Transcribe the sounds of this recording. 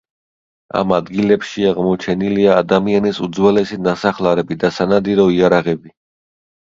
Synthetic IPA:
a̰mad̪ɡilɛpʃiaʁmɔt͡ʃʰɛniliaːd̪amianisud̪zwɛlɛsinasaχlaɾɛbid̪asanad̪iɾɔiaɾaʁɛbi

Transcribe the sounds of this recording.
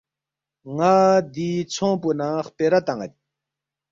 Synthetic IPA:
ŋaːd̪iːt͡sʰõːpunaχpeɾat̪aŋad̪i

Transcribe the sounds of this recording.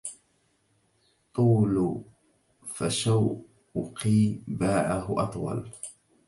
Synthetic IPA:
t̪ˤuːl | faʃaw | qiːbaːʕaɦʊʔɑt̪ˤwɑ̰l

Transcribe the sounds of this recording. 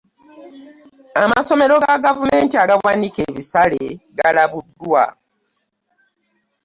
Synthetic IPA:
amaso̞me̞ɾoɡaɡavume̞ːntiaɡawanikeːβisaleɡalaβudwa̰

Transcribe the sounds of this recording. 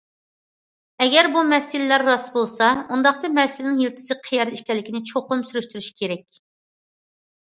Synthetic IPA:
ɛɡʲɛɾbumɛsɪlɪlæɾːɑsbolˠsɑund̪ɑχt̪ɨmɛsɪlɪnɪŋjilt̪ʰɪ̥sɪqʰijɛɾiʃkʲɛlːɪkʲinɪt͡ʃʰoqʊmsyɾyʃt̪yɾyʃkʲʰeɾɛkʲ

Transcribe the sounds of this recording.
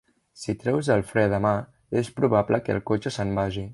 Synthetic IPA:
sit̪ɾɛwzəlˠfɾɛðəma | espɾuβ̞apləkə̰lˠkot͡ʃəsəmbaʒi

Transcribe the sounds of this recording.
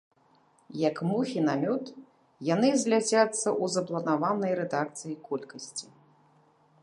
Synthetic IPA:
jɐkmuxʲinamʲut̪ | janɨzʲlʲad͡zʲat̪sːɐʔuzɐplˠɐnavanɐjɾɛd̪ak̚t̪sɨjikɔlʲkɐsʲt͡sʲi

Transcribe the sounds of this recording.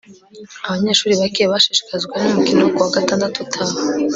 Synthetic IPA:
aβaɲe̞ːʃuːɾiβakeβaʃeʃi̥kazɡwanumukinokuwaɡataːndatutʰahe

